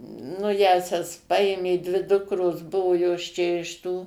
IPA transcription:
nʊ ˈjæːsʲɛs ˈpɐeːmʲeː dʲʋʲɪ ˈdʊkroːs ˈbʊʋoː joːs ˈt͡ʃʲɛ ɪʃ ˈtuː

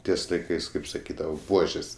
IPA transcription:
ˈtʲiɛs lˠɐɪˈkɐɪs kɐɪp sɐˈkʲiːdɐʋɐ ˈbuɔʒʲeːs

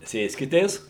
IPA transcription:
ˈsʲeːsʲkʲɪtʲeːs

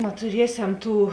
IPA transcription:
nɐtʊˈrʲiɛsʲɛm ˈtuː

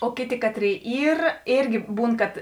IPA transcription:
oː ˈkʲeːˌtʲeː ˈkɑːtʲˌrʲeːɪ ˈiːr ˈeːrʲɡʲɪ ˈbuːn kɐt

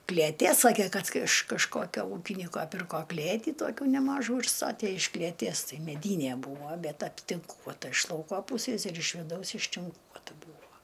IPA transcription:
klʲeːˈtʲeː ˈsɑːkʲeː ˈkɐt ɪʃ kɐʃˈkoːkʲoː ˈuːkʲɪnʲiːkoː ˈpʲɪrkoː ˈklʲeːtʲiː ˈtoːkʲuː nʲɛˈmɑːʒuː ɪr ˈstɑːtʲeː ɪʃ klʲeːˈtʲiɛs ˈtɐɪ mʲɛˈdʲiːnʲiɛ ˈbuːʋoː ˈbʲɛt ɐpʲtʲɪŋˈkuɔtɐ ɪʃ ˈlˠɐʊkoː ˈpuːsʲeːs ɪr ɪʃ ʋʲɪˈdɐʊs ɪʃʲtʲɪŋˈkuɔtɐ ˈbuːʋoː

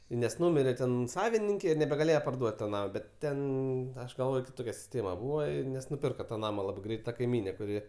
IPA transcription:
nʲɛs ˈnʊmʲɪrʲeː ˈtʲɛn ˈsɑːʋʲɪnʲɪŋʲkʲeː ɪr nʲɛbʲɛɡɐˈlʲeːjɛ pɐrˈduɔtʲ toː ˈnɑːmoː ˈbʲɛt ˈtʲɛn ˈɐʃ ɡɐlˠˈʋoːj kʲɪˈtoːkʲɛ sʲɪˈsʲtʲeːmɐ ˈbuːʋɐ ɪ nʲɛs nʊˈpʲɪrkɐ tɐ ˈnɑːmɐ ˈlˠɑːbɐɪ ˈɡrʲɛɪt tɐ kɐɪˈmʲiːnʲeː kʊˈrʲɪ

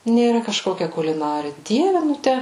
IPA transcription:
nʲeːˈrɐ kɐʃˈkoːkʲɛ kʊlʲɪˈnɑːrʲɪ ˈdʲiɛʋʲɛ ˈnʊ ˈtʲæ

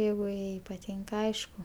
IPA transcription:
ˈjɛɪɡʊ ˈjɛɪ pɐˈtʲiːŋkɐ ˈɐɪʃkʊ

